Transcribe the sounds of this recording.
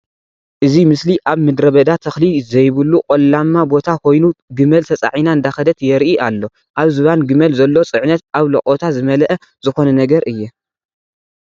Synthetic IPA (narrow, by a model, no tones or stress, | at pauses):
ʔɨzimɨsliʔaβmɨd̪ɾɐβɐd̪at̪ʰɐxlizɐjβɨlːukʼolamːabo̞t̪ʰakʰo̞jnuɡɨmɐlt̪ʰɐt͡sʼa̰ʕijnaɨnd̪axɐd̪ɐt̪jɛɾʔiʔalːo̞ | ʔaβzɨβanɡɨmɐlzɐlːo̞t͡sʼɨʕnɐt̪̚aβlɐ̰kʼot̪ʰazɨmɐlʔɐ | zɨxo̞nɐnɐɡɐɾʔɨjːɛ